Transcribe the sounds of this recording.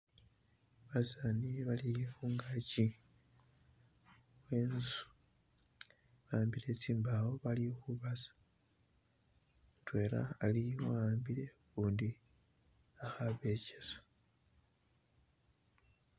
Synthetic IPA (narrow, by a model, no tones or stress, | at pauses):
βasaniβalixuːŋɡaci | we̞ːnzu̥ | βaːmbile̞t͡siːmbawo̞βalixuβazḁ | twe̞ːɾa̰ːlioaːmbiɾe̞kuːndi | axaβe̞cesḁ